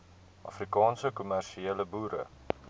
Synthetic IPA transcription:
ʔɐ̰frikɑːnsəkumærʃieːləbuːɾə̰

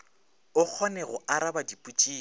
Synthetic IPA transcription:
ʊk͡xʰɔnɛɣʊʔaɾabadipʼut͡ʃʼiː

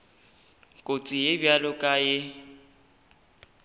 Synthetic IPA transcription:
kʼot͡sʼijebjalʊkʼajɪ

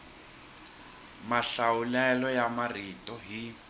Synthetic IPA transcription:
maɬawulɛlɔjamaritʼɔɦi

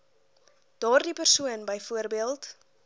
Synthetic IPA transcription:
d̥ɑːrdipərsuənbəjfuərbiəlˠt

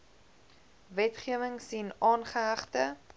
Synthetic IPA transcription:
vɛtχiəvəŋsinɑːnχəɦɐχtə

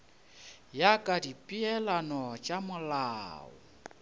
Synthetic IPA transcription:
jakʼadipʼiɛlanɔt͡ʃʼamʊlaːɔ̰

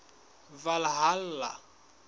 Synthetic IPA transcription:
valaɦal̩la

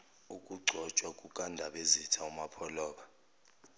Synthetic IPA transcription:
ukʼuɡ͡ǀʱɔt͡ʃʼwakʼukʼandʱaɓezitʰaumapʰɔlɔːɓa

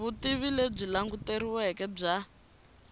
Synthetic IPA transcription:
βutiβileb͡ʐilaŋɡuteɾiwɛkɛb͡ʐa

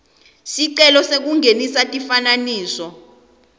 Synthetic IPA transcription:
siǀɛlɔsek̬uŋenisatʼifananiːsɔ

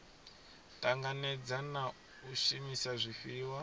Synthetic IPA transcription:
tʼaŋɡanɛd͡zana | uʃimisaʐʷifiːwa

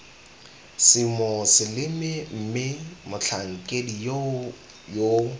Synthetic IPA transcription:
sɪmosɪlɪmɪm̩mɪmʊt͡ɬʰaŋ̩kʼedi | jo

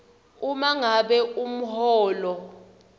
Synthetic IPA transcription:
umaŋaɓɛum̩ɦɔːlɔ

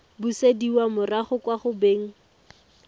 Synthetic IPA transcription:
busediwamʊraχʊkwaχʊbeːŋ̩

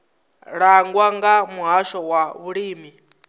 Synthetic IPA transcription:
ɺaŋɡwaŋɡamuɦaʃɔwaβuɺiːmi

